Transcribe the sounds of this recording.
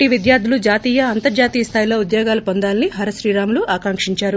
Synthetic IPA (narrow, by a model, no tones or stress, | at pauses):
ʈiʋid̪jaːɾd̪ʱulud͡ʒaːt̪iːjɐɐnt̪ɐɾd͡ʒaːt̪iːjɐst̪ʰaːjiloːud̪jɔːɡaːlɐpond̪aːlniɦɐɾɐʃɾiːɾaːmuluaːkaŋkʂiɲt͡ʃaːɾu